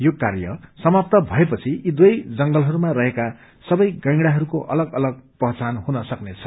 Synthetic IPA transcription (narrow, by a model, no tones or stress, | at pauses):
jokarjʌ̰sʌmap̚t̪ʌbʱʌepʌt͡sʰiid̪wʌjd͡zʌŋɡʌlɦʌɾumaɾʌɦeka | sʌbʌjɡʌ̃j̃ɽaɦʌɾukoʔʌ̰lʌɡʌlʌɡ̚pʌɦt͡sanɦunʌsʌknet͡sʰʌ̥